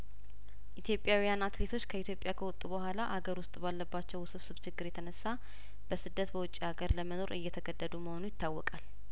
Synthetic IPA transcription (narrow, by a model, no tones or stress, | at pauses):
ʔit̪ʰjo̞pʼjawijanat̪le̞t̪ʰo̞t͡ʃːkʰəit̪ʰjo̞pʼjakʰəwɔt̪ʼubəhʷalaʔaɡəɾwʊst̪ʼbalːəbːat͡ʃːɛwsɨβsɨβt͡ʃʰɪɡːɨɾjɛt̪ʰənəsːa | b̥əsɨd̪ːət̪bəwʊt͡ʃʼːihaɡəɾləməno̞ɾɨjːɛt̪ʰəɡəd̪ːəd̪uməho̞nujɪt̪ʰːawːɔkʼal